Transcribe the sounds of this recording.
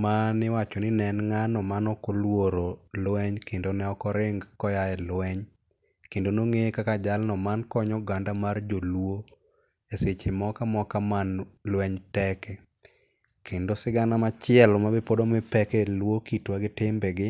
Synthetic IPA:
manɪwat͡ʃɔnɪnɛnŋanɔmanɔkolwoɾolwɛɲkendonɛɔkɔɾɪŋɡkɔjajɛlwɛɲ | kendonoŋekakad͡ʒalnɔmankɔɲɔɡandamard͡ʒolwo | jaset͡ʃɪmɔkamɔkamanlwɛɲtɛkɛ | kendosɪɡanamat͡ʃɪɛlmabɪpodomɪpɛkɛlwokitwaɡɪtɪmbɛɡɪ

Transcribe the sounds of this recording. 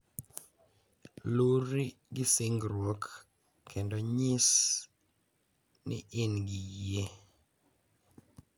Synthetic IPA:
luɾi | ɡɪsɪŋɡɾwokʰː | endɔɲɪs | nɪ̰ʔɪnɡɪje

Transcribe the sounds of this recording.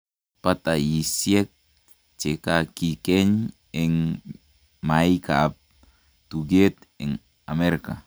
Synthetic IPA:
pat̪ajisjek̚ | t͡ʃekakikɛɲ | ɛŋ | majikap̚ | tuɡet̪ɛŋ | ameɾka

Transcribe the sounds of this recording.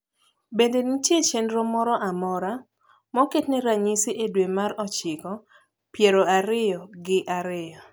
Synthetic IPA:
bendenitjet͡ʃenɾomɔɾɔʔamɔɾa | mɔketnɛɾaɲisiʔedwemaɾɔt͡ʃɪɡɔ | pjeɾoaɾɪjɔɡɪʔaɾɪjɔ

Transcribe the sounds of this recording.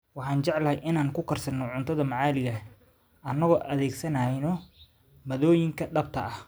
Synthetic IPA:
wɑħɑːnt͡ʃɛʕlɐɦɛjʔɪnaːŋkʰʊkʰɐrsɐnːɔʕʊnt̪ʰɐðɐmɑʕɑːlɪɣɐ | ʔɐnɐɣɔʔɐðɛːɡsɐnɐjnɔ | mɐðɔːjɪŋkʰɐɖɐb̚t̪ʰɐʔɐh

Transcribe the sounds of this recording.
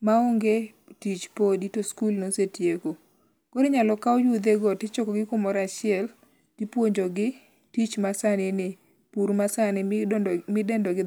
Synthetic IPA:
maoŋɡe | tit͡ʃpoditoskulnosetjeko | koɾeɲalɔkaɔjud̪eɡɔtɪt͡ʃɔkɔɡɪkomɔɾat͡ʃɪɛl | tɪpwoɲd͡ʒoɡɪ | tit͡ʃmasanɪnɪ | puɾmasanɪmɪdɛndɔɡɪ

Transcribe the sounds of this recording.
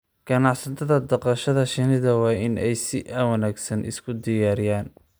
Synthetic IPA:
ɡ̥ɐnɑħsɐt̪ʰɐðɐd̪ɑqɑʃɐðɐʃɪnɪðɐwɑːɪnʔɛjsɪʔaːwɐnaːɡsɐnʔɪ̰skʰʊd̪ɪjaːɾɪjaːn

